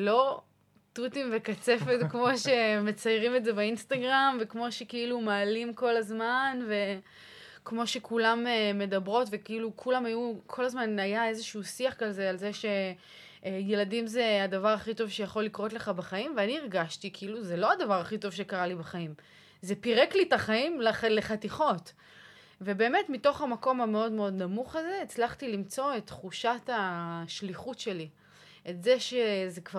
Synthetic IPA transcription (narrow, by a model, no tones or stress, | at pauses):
lo̞ | tutimvekat͡se̞fe̞tkmo̞ʃe̞me̞t͡sajʁimeze̞bainstaɡʁamvekmo̞ʃe̞kiilumaːlimko̞lazmanve̞ | kmo̞ʃe̞kulameme̞dabʁo̞tvekiilukʰulamajukʰo̞lazmanajae̞zeʃuːsiaχkalzealzeʃe̞ | je̞ladimze̞adavaʁaχito̞vʃe̞jaχo̞lːikʁo̞tle̞χabaχaimveaniiʁɡaʃtikʰiiluzelo̞adavaʁaχito̞vʃekaʁalibaχaim | zepiʁeklitaχaimlaleχatiχo̞t | ve̞be̞ːme̞tmito̞χamako̞mhame̞o̞dmeo̞d̪namuχaze̞ːt͡slaχt̪ilimt͡so̞etχuʃataʃliχutʃe̞li | etze̞ʃezekva